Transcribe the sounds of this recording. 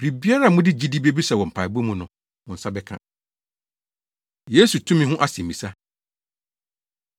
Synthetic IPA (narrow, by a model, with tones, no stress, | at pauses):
bɾi˨bi˦a˦ɾa˦˨mʊ̃˦dɪ˦d͡ʑi˦di˦bi˦e˦bi˦sɛ˨wɔ̃˨m̩˨pʰa˨bu˦mũ˦nʊ̃˨ | mʊ̃˨n̩˨sa˦bɛ˦kʰã̰˦ | je˦su˨tʰũ˦mɪ̃˦ɦʊ̃˦ʔa˨sĩ˨m̩˨ĩ˨sa˦